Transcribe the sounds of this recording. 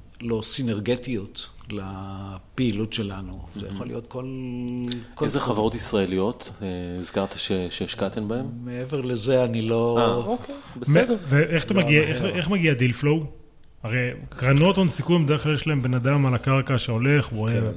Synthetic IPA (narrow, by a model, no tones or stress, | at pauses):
losineʁɡet̪iotlapeilutʃelanuzḛja̰χolḭjot̪kol | koezeχavaʁo̞t̪isʁaelijo̞t̪eizkaʁt̪ḁʃeʃeːʃkat̪enbahemmeeveʁlezeaniloaokebmedveeχt̪amaɡiaeeχmaɡiad̪ilflow | aʁejkʁano̞t̪onsikuimbed̪eeklaljeʃlaembe̞nad̪amalakaʁkaʃeo̞le̞χue